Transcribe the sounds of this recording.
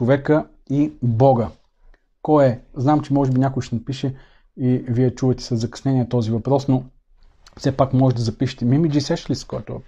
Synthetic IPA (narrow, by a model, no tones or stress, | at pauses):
t͡ʃovɛkə | ibɔɡə | kɔɛznamt͡ʃɛmɔʒɛbinʲakʊɛʃt̪ɛnɐpiʃɛ | iviɛt͡ʃuvət̪ɛ̥sɐzɐkɐ̥snɛniɛt̪ɔzivɐpɾɔsno | fsɛpakmɔʒɛd̪ɐzɐpiʃɛ̥t̪ɛmimid͡ʒisɛʃlist̪koɛt̪o